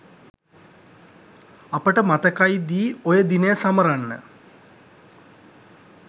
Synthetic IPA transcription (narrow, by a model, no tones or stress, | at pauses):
apəʈəmat̪əkajd̪iːojəd̪inəjəsaməɾanːə̰